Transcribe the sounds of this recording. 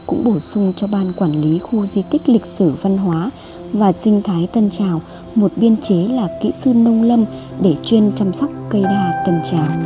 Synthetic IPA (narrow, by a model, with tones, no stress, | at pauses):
kʊ̰˧˥ŋ͡mɓo˧˩sʊ˧ŋ͡mt͡ɕɔ˧ɓaː˧nkwaː˧˩nli˨˦xu˧zi˧t̪ï˦˥k̟̚lï˨˩k̟̚sɨ˧˩va˧nɦwaː˨˦ | vaː˨˩sï˧ŋ̟t̪ʰaː˨˦jt̪ə˧nt͡ɕaː˨˩w | mo˨˩t̚ɓi˧ənt͡ɕe˨˦laː˨˩kḭ˧˥sɨ˧nə˧wŋ͡mlə˧m | ɗe˧˩t͡ɕwi˧nt͡ɕa˧msa˦˥wk͡p̚kə˧jɗaː˧t̪ə˧nt͡ɕaː˨˩w